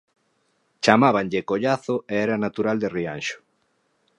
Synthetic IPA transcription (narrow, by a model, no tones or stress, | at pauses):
t͡ʃamaβanʎɪkoʎaθʊeɛɾanat̪uɾald̪eria̰nʃʊ̥